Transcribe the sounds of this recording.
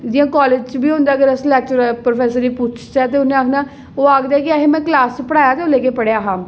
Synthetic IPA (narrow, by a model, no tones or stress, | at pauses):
d̪ɪiːãːkɔːleːd͡ʒt͡ʃbiːɦʊ̃ːnd̪aːəɡəɾɛslɛːk̚t͡ʃɾpɾoːpʰɛːsəɾiːpʊt͡ʃʰt͡ʃɛːt̪eʊnẽaːkʰnaː | oːaːkd̪aɛːkɪaːɦeːmɛ̃ːklaːst͡ʃpəɽaːjaːt̪eːoːleːkeːpəɽejaːɦãː